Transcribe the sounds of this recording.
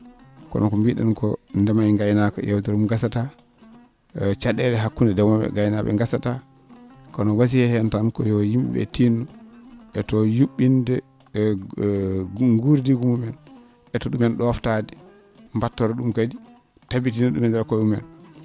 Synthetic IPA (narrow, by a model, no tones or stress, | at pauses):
kɔ̰nɔkɔmbiɗɛ̰nkɔndɛmajŋɡajnakɔ̰jɛwtɛɾumɡasata | t͡ʃaɗɛlɛɦakːundɛdɛmaɛ̰ɡajnaɓɛ̰ŋɡasata | kɔnɔwas̬ihɛhɛntankɔjɔjimɓɛ̰tinːuʔɛtɔjuɓːindɛ | ŋɡuɾdiɡumumɛn | ɛtɔɗumɛnɗɔwaftadi | mbatːɔɾɛɗumkad͡ʒi | tabitinɛɗumɛndɛɾɛkɔumɛ̰n